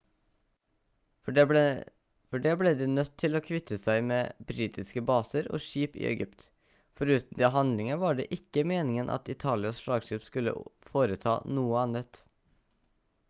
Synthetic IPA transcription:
fɔɖeːbleːd̪iːnœt̪ʰːɪloːkʰʋɪt̪ʰːəsæɪmeːbɾiːt̪ʰɪskəbɑːsəɾo̰ːʂiːpḭːɛ̰ɡʏpt̪ | fɔɾʉːt̪n̩d̪eːɦɑnd̪lɪŋəʋɑːɖḛːʔɪkːəmeːnɪŋənʔɑ̰t̪ɪt̪ʰɑːlɪɑsʂɭɑːɡʂiːpskʉlːə̰foːɾət̪ʰɑ̰ːnuːəɑnət̪

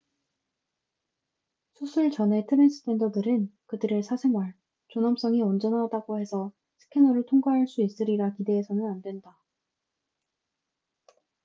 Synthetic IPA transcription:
sʰusʰɯɭt͡ɕʌne̞tʰɯɾensʰɯ̥tʰe̞ndʌdɯɾɯnkɯdɯɾesʰasʰe̞ŋwaɭ | t͡ɕonʌms͈ʌŋiʌnd͡ʑʌnadaɡohe̞sʰʌ | sʰɯ̥kʰe̞nʌɾɯɭtʰoŋɡaɦaɭs͈uis͈ɯɾiɡakide̞ːsʰʌnɯnandwe̞nda

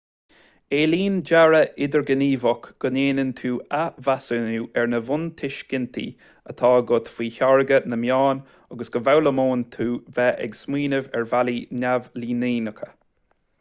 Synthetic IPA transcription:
eːliːnd͡ʒaɹəʔɪd̪əɹɡəniːvɔkɡ̥əneːnənt̪ʰuːavasənuːʔɛɹnəvʊnt̪ʰɪʃɡ̥ɪnt̪ʰḭ | ət̪ʰɑːɡʊt̪fiːçaɹəɡənəmjaːn | aɡəsɡ̥əvawləmoːnt̪ʰuːvɛʔɛ̰ɡsmiːnəvɛɹvalinʲavliːniːnəkʰə

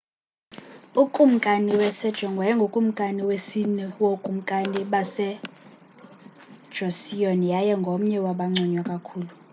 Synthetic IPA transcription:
ukʼum̩kʼaniwɛsɛd̥ʒ̥ʱɔŋɡʱwajɛŋɡʱokʼum̩kʼaniwesinɛwokʼum̩kʼaniɓasɛ | d̥ʒ̥ʱosijonijajɛŋɡʱom̩ɲɛwaɓaŋ͡ǀʱɔɲwakʼakʰuːlu

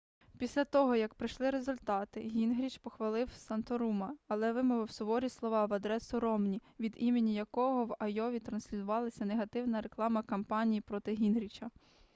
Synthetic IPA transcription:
pʲisʲlʲat̪ɔɦɔjɐkpɾɪʃlˠɪɾezʊlʲt̪ɑt̪ɪɦʲinɦɾʲit͡ʃpɔxʋɐlˠɪwsɐnt̪ɔɾumɐːlˠɛʋɪmɔʋɪwsɔbɔɾʲislˠɔʋɑʋɐd̪ɾɛsʊɾɔmnʲiʋʲid̪imenʲijɐkɔɦɔwɐjɔʋʲit̪ɾɐnsʲlʲizʊʋɑlˠɐsʲɐneɦɐt̪ɪwnɐɾeklˠɑmɐkɐmpɑnʲijipɾɔt̪ɪɦʲinɦɾʲit͡ʃɐ

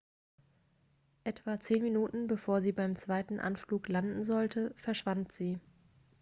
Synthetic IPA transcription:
ʔɛtv̥at͡seːnminuːtn̩bəfoːɐziːbaɪmt͡sv̥aɪtn̩ʔa̰nfluːklandn̩zɔltʰəfɛɐʃv̥antz̥iː

